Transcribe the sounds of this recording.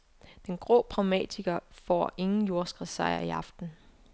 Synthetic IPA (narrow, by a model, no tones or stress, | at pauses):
d̥enɡ̥ʁɔ̰ːpʰʁɑ̈ʊmɛ̰ːt͡sʰiɡ̥ɐfɒ̰ːe̝ŋn̩jo̝ɐsɡ̥ʁisɑ̈ɪɐiɑ̈fd̥n̩